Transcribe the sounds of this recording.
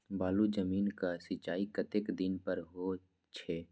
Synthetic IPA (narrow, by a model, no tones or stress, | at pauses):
baːlud͡ʒəmiːnkasɪt͡ʃaːikɐt̪ekd̪ɪnpəɾɦo | t͡ʃʰɛː